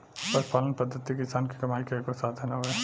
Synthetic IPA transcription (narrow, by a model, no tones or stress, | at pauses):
pɐɾpaːlənpɐd̪ʱːət̪ːikɪsaːnki̥kɐmaːikeekosaːt̪ʰɦɛnaɦoɡaː